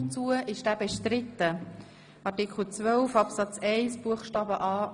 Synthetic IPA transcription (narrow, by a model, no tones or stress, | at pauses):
t͡suəʔɪʃd̥æːbɛʃtɾɪt̪ːə | ʔɑɾtɪkχl̩t͡svœlfɑpsɑt͡sɛɪsb̥uəχʃtɑːbəʔɑː